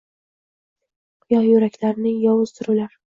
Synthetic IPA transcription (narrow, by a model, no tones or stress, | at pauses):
qʰʊjɒhjʊɾakʲlaɾɪnɪjɒwʊz̥t̪ʰʊɾɪlaɾ